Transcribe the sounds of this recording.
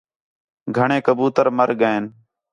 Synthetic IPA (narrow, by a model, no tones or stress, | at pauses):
ɡʱəɳeːkəbuːt̪əɾməɾɠəẽːn